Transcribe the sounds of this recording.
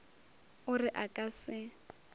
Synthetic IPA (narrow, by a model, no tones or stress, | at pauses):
ʊrɪʔakʼasɪ